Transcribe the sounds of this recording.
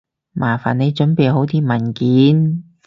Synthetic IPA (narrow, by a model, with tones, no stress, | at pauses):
mʔaː˨˩fa̰ː˨˩ne˨˧jt͡ʃɵ˨˥npe˨jɦo˨˥wt̪ʰiː˧˥mɐ˨˩nkiː˨˥n